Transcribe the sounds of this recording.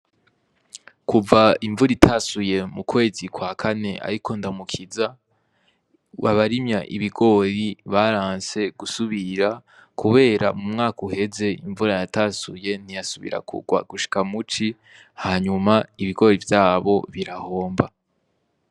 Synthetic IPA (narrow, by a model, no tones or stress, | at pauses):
kuvaiɱvuɾitʰasuje̞mukwe̞ːzikwaːkʰane̞a̰ɾikʰo̞ndamukʰiza | βaβaɾimɲaʔḭβiɡo̞ːɾiβaɾaːnse̞ɡ̥usuβiɾakʰuβe̞ːɾa̰mumŋaːkuhe̞ze̞iɱvuɾajatasuje̞n̥ijasuβḭɾa̰kṵɡwa̰ɡuʃi̥kamut͡ʃi | haːɲumaiβiɡo̞ːɾivjaːβo̞βiɾaho̞ːmba